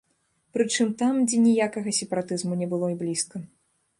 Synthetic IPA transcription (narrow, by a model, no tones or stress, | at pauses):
pɾɨt͡ʂɨmt̪amd͡zʲɛnʲijakɐɣɐsʲɛpɐɾat̪ɨzmunʲɛbɨlˠɔiblʲiskɐ